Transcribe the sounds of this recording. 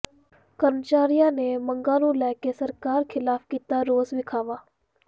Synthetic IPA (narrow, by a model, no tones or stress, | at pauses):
kəɾmət͡ʃaːɾijãnemə̃ŋɡaːlulɛːkesɐɾkaːɾkʰɪlaːfkiːt̪aɾoːzʋɪkʰaːʋaː